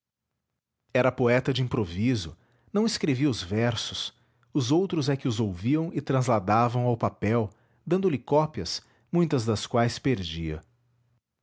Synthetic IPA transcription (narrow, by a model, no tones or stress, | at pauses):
ɛɾɐpoɛt̪ɐd͡ʒɪĩpɾovizʊ | nɐ̃w̃ɪskɾeviɐʊzvɛɾsʊs | ʊzowt̪ɾʊzɛkɪʊzowviɐ̃w̃ɪt̪ɾɐ̃zlad̪avɐ̃w̃awpapɛw | d̪ɐ̃nd̪ʊlɪkɔpiɐs | mũj̃t̪ɐzd̪ɐskwajspeɾd͡ʒiɐ̰